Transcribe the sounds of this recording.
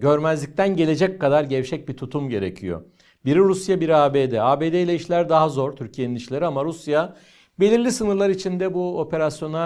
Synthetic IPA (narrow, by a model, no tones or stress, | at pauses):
ɟø̞ɾmɛzlʲic̚t̪ʰænɟe̞lʲe̞d͡ʒɛckːad̪aɾɟɛvʃʰɛc̚bit̪ʰut̪ʰumɟe̞ɾḛcʰḭjo̰ | biɾiɾusjabiɾiaːbeːd̪ɛaːbeːd̪eilʲɛiʃlʲæɾd̪aɦazo̞ɾt̪ʰyɾcʰije̞niniʃlʲe̞ɾiamaɾusja | be̞lʲiɾlʲisɯnɯɾlˠaɾit͡ʃʰind̪ɛbuo̞pʰe̞ɾasjo̞na